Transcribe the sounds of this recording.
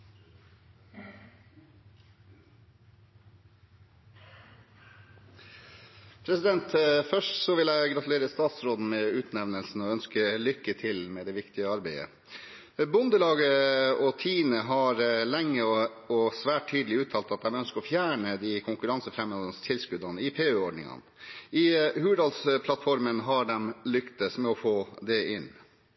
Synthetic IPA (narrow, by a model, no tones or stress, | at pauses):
pʰɾɛsɪd̪ɛnt̪fœʂʈsɔʋɪlæɪɡɾɑt̪ʉleːɾəst̪ɑːt̪sɾoːd̪n̩meːʉːt̪nɛʋnəlsn̩ɔœnskəlʏkːət̪ʰɪlmeːd̪ɛːʋɪkt̪ɪəɑɾbeɪə̰ | bʊnd̪əlɑːɡəɔt̪ʰiːnəɦɑɾlɛŋːə | ɔsʋæːʈ̚ʰːyːd̪əlɪʉːt̪ʰɑːlt̪ɑt̪̚d̪ɛmœnskəɔfjæːɳəd̪ikʰʊŋkʉɾɑnsəfɾɛmhoːd̪ənst̪ʰɪlskʉd̪ɑnəɪpʰeːøːɔɖɳɪ̰ŋɑ̰nɪhʉːʋəɖɑlspʰlɑt̪fɔɾmənɦɑɖɛmlʏkt̪əsmɛɔfoːd̪ɛɪnː